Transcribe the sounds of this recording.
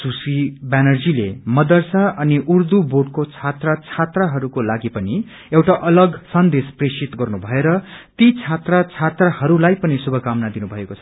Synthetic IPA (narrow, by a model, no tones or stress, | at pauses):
susibanʌrd͡zilemʌd̪ʌrsaʔʌniʔurd̪uboɖ̚kot͡sʰat̪rat͡sʰat̪raɦʌɾukolaɡipʌni | ewʈaʔʌlʌɡsʌnd̪espresit̪ɡʌrnubʱʌeɾʌt̪it͡sʰat̪rat͡sʰat̪rahʌɾulajpʌnisubʱʌkamnad̪inubʱʌekot͡sʰʌ